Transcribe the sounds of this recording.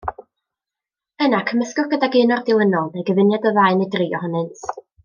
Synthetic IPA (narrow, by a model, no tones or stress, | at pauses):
ənakʰəməskʊɡ̥ədaɡɪnɔrdɪwənɔlˠdejɡəvɪnjadəvaɨnɨdriːɔhɔnɨnt